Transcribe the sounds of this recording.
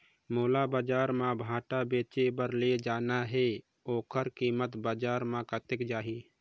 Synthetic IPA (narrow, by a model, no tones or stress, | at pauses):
moːlabaːd͡ʒaːɾmãbʱãːʈabeːt͡ʃebəɾled͡ʒaːnaɦeː | oːkʰəɾkiːmət̪baːd͡ʒaːɾmãkət̪ɪkd͡ʒaːɦi